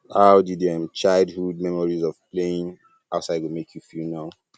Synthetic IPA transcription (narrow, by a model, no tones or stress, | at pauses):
haʊdidɛmt͡ʃaɪlˠdhud̚mɛmɔɹizɔv̥pleĩŋ | aʊtsaɪɡomekʰjufilnaʊ